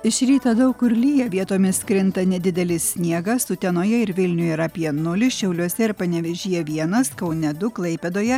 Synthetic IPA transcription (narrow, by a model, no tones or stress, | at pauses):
ɪʃʲɾʲiːt̪ɐd̪ɐʊkʊɾʲlʲijɛʋʲiɛt̪oːmʲɪskɾʲɪnt̪ɐnʲɛd̪ʲɪd̪ʲɛlʲɪsʲsʲnʲiɛɡɐsʊt̪ʲɛnoːjɛɪɾʋʲɪlʲnʲʊjɛiːɾɐpʲiɛnʊlʲɪʃʲɛʊlʲuɔsʲɛɪɾpɐnʲɛʋʲɛʒʲiːjɛʋʲiɛnɐskɐʊnʲɛd̪ʊklˠɐɪpʲɛd̪oːjɛ